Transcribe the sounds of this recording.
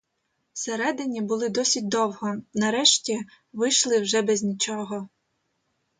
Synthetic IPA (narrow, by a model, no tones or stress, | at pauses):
seɾɛd̪ɪnʲibʊlˠɪd̪ɔsʲit̚ʲd̪ɔwɦɔnɐɾɛʃtʲi | ʋɪjʃlˠɪwʒɛbɛzʲnʲit͡ʃɔɦɔ